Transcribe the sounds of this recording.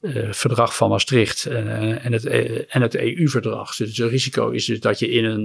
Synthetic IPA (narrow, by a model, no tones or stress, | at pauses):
v̥əɹdrɑχfɑnmɑstrɪχtɛnətɛnətḛjʔyvəɹdrɑ̰χsətriziko̰wɪ̰zdɵzdɑtjəɪnən